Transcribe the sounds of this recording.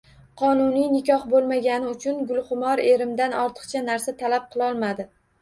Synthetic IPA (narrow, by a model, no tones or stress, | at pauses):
qʰɒnʊnijnɪkʲɒχbolˠmaɡʲanɪʊt͡ʃʰʊnɡʊlˠχʊmɒɾeɾɪmd̪anɒɾt̪ʰɨ̥qt͡ʃʰanaɾsat̪ʰalap̚qʰɨlˠɒlˠmad̪ɪ